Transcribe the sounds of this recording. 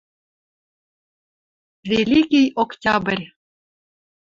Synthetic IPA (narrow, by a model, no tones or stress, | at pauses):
vʲelʲikʲijoktʲabrʲ